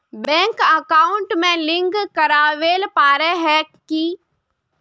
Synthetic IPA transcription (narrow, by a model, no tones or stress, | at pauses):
bɛ̃ːŋkəkaːʊɳʈmẽlɪ̃ŋɡkɐɾaːʋeːlpaːɾeɦɛki